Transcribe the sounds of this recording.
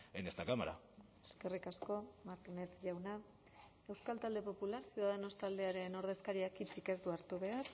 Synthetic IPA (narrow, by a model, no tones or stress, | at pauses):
enest̪akamaɾa̰ | eske̞rikasko̞maɾt̪ine̞t͡s̪ʝawna | e̞wskalt̪ald̪e̞po̞pulaɾsjuðaðeno̞st̪ald̪e̞aɾe̞no̞ɾð̞e̞skaɾiakit͡sike̞st̪uaɾt̪uβe̞aɾ